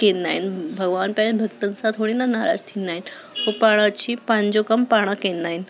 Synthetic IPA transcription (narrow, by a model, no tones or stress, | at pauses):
kenːa̰inbʱəɡʋanpanebʱəɡt̪ənsat̪ʰoɽ̃inanaɾa̰d͡zt̪ʰinain | ɦopaɽ̃at͡ɕiːpaɲd͡ʑokəmpaɽ̃akenːain